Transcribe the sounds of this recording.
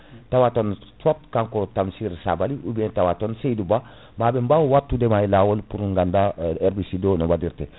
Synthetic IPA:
tawatontopkaŋkotamsiɾsa̰baliʔubientawatonsejduba | mabembawuwatːudemailawolpuɾuŋɡandaeɾbisidonowadiɾte

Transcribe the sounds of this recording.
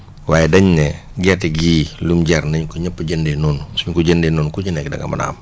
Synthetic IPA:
waːjɛdɐɲːɛ | ɡɛtɛɡiːlumɟɛrnɐɲkuɲəpːəɟəndɛnuːnsuɲkuɟəndɛnuːnkud͡ʒənɛk̚dɐ̰ɡɐ̰mɐ̰na̰ːm

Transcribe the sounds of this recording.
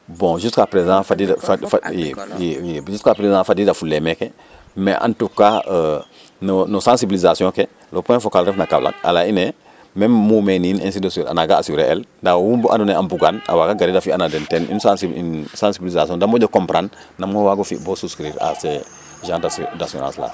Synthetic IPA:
bɔ̃ʒustkapɾezãːfadif | ʒuskapɾezãfadidafulːemeke | meʔa̰ntukːa | nonosãnsibilizasijɔ̃ːke | lopɛ̃fokalɾɛfnaka̰bla̰k̚a̰laine | memmumeninẽns̬idosɾa̰naɡaːsuɾeʔɛldawwumbuʔa̰nuneambuɡana̰waɡaɡaɾidafianadentɛnʔḭnsasiinsãːnsibilizasijɔ̃ndamoɟokompɾanː | amowaɡofibosuskɾiɾa̰se | ʒãːdasdasio̰na̰lsla̰

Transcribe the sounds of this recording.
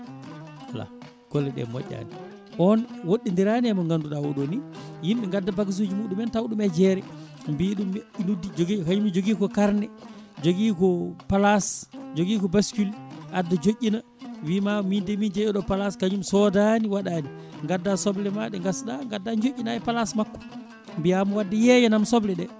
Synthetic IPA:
ala̰ | ɡ̥ɔlːɛɗɛ̰mɔ̰ʔʲːa̰ni | ʔɔnwoɗːindiɾaniɛmɔŋɡanduɗawɔɗonijimɓɛŋɡadːabaɡis̬ud͡ʒimuɗumɛntawɗumɛd͡ʒɛɾɛ | mbiɗuminudid͡ʒoɡikaɲumid͡ʒoɡiːkɔkaɾnɛd͡ʒoɡikɔpalasd͡ʒoɡikɔbaskulʔadːad͡ʒoʔʲːina | wimamindɛmind͡ʒɛjɔɗɔpalaskaɲumsɔdaniwaɗani | ŋɡadːasɔblɛmaɗɛŋɡasɗaŋɡadːad͡ʒoʔʲːinaɛpalasmakːɔ̥ | mbijamuwadːajɛjɛnamsɔblɛɗɛ

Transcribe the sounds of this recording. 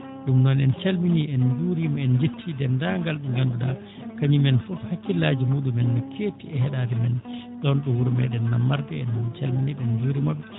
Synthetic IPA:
ɗumnɔnɛnt͡ʃalminiɛnd͡ʒuɾimɔɛnd͡ʒetʰːidɛndaŋɡalɗɛŋɡanduɗa | kaɲimɛnfɔfhakːilaːd͡ʒimuːɗumɛnːɔkʰeːtiɛhɛɗaːdɛmɛnɗɔnɗɔhuɾumɛ̰ɗɛnːamːaɾdɛɛnːɔnt͡ʃalminiɗɛnd͡ʒuːɾimabːɛ

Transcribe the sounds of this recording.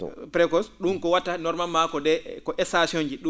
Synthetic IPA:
pɾɛkɔsɗunkɔwatanɔɾmalmakɔdɛkɔʔɛsasiond͡ʒiɗu

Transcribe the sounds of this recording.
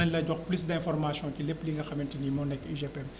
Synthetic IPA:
ɐɲlɐɟɔxplysdɛ̃fɔrmasjɔ̃kilepːliŋɡɐxɐmɛntinimɔnɛkːiʒepɛm

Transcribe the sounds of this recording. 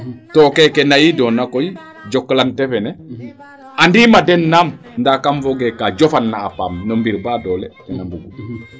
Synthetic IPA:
tɔːkɛkɛnajidɔnːakoji | d͡ʒɔkːlantɛfɛnɛ | andimadɛnːam | ndakamvoɡekad͡ʒofanːaːfa̰ːmnombiɾbadɔlɛkɛnambuɡu

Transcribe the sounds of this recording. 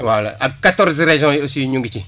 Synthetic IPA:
wala̰ʔakatɔɾzɾeʒɔ̃osiɲũŋɡit͡ʃi

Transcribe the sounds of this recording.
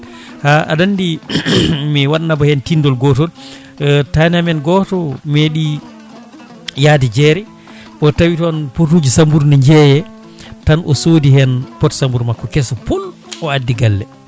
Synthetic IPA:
haʔa̰dandi | miwaɗnabahɛntindɔlɡɔtɔl | tanamɛnɡɔtɔmeɗi | jaːdid͡ʒɛɾɛ | ʔɔtawitɔnpot̬ud͡ʒisambuɾnɛɲd͡ʒɛjɛ | tanʔɔ̰soːdihɛnpɔtsambuɾmakːɔkɛsɔpulɔadːiɡalːɛ

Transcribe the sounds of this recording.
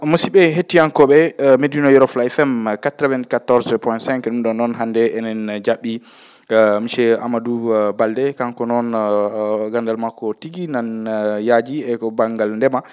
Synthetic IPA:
mosiɓɛɦetːijankɔɓɛmedinɔjuɾɔflajfɛmkatɾɛvɛntkatɔɾzpɔjntsɛ̃ŋkɗumɗɔnɔnɦandɛʔɛnɛnd͡ʒaɓːi | miʃɛa̰madubaldɛkaŋkɔnɔn | ɡandalmakːɔtiɡinanjad͡ʒiɛkɔbaŋɡalndɛma

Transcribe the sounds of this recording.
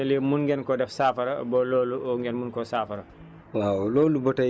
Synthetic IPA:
lɛmunɡɛnkɔdɛfsaːfɐɾabɔlɔːluɔŋɡɛnmunkɔsaːfɐɾa | waːwloːlubɔta

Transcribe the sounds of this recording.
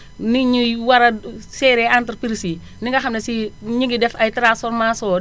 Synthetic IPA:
niɲuwɐɾɐsɛːɾɛantɾpiɾsi | niŋɡɐxɐmnɐsiɲiɡidɛfɐjtɾãsfɔɾmasɔː

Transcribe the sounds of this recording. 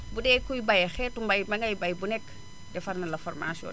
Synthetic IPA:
budɛkujbajxɛtumbajmaŋɡajbajbunɛkː | dɛfarnalafɔɾma̰siɔ̰ːn

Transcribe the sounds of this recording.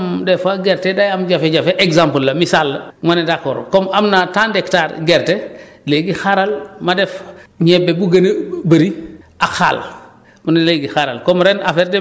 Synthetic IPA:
mdɛfaɡɛɾtedajamɟafeɟafeʔeɡzamplːɐmisalːɐmanedakːoɾkɔmamnatandɛktaːɾɡɛɾteleɡixaɾalmadɛfɲɛbebuɡɐnbɐɾiaxa̰l | munleɡixaɾalkɔmɾɛnafɛɾdɛ

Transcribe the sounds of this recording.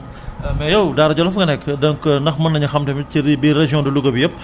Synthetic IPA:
mɛjɐwdaːɾɐɟɔlɐfɡɐnɛkːdɐŋkndɐxmɐnːɐɲɐxɐmtɛmt͡ʃibiɾɛʒjɔ̃ndiluɡɐbijɐp̚

